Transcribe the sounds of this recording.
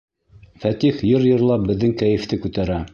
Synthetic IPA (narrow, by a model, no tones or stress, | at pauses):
fæt̪iχjɤɾjɤ̆ɾlˠɑp̚bɘ̆ðːɘŋkæjɘ̆ft̪ɘkʉt̪æɾæ